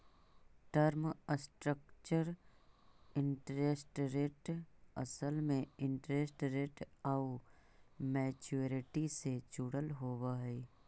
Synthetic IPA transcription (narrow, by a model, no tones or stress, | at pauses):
ʈəɾmsʈɾəkt͡ʃəɾ | ɪɳʈɾeːsʈɾeːʈɐ̰səlmẽɪ̃ɳʈɾeːsʈɾeːʈau | mɛːt͡ʃuɾɪʈiset͡ʃuːɽəlɦoːwaːɦɛː